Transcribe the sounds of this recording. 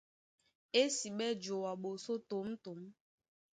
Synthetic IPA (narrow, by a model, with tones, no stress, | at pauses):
e˦si˨ɓɛ˦d͡ʒo˨wa˨ɓo˨so˦to˨m̩˦to˨m̩˦